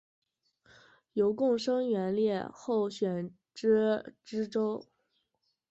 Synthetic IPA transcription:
jo˧˥ʊkʊ˥˩ŋʂɤ˥ŋɥɛ˧˥nljɛ˥˧xo˥˩ʊɕɥɛ˨˩n | ʈ͡ʂɻ̩˥ʈ͡ʂɻ̩˥ʈ͡ʂo˥ʊ

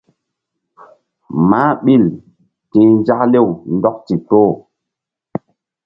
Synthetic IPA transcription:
ma˦ɓi˦˨l | tĩ˨n˦d͡ʒa˦kle˦˨wndɔ˦k̚ti˨to˦˨

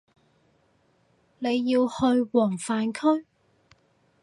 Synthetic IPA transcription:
ne˨˧jːiː˧whɵ˧ɥwɔː˨˩ŋfaː˨˧nkʰɵ˥ɥ

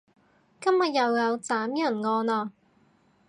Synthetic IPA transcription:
kɐ˥mjɐ˨t̚jɐ˨wjɐ˨˧wt͡saː˨˥mjɐ˨˩nŋɔː˧naː˧

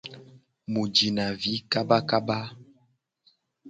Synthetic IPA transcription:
mu˨d͡ʒi˨na˨vi˨˦ka˦ba˦ka˦ba˦

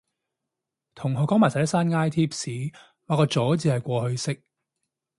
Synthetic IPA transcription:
t̪ʰʊ˨˩ŋɦɔ˨˧kɔː˨˥ŋmaː˨˩sa˨˥saː˥nŋaː˥jt̪ʰiː˥p̚siː˨˥ | waː˨˧kɔː˧t͡ʃɔː˨˥t͡siː˧hɐ˨˩jkʷɔː˧hɵ˧ɥsɪ˥k̚

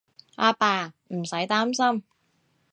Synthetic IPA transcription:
ʔaː˧paː˧ | m̩˨˩sɐ˨˥jt̪aː˥msɐ˥m

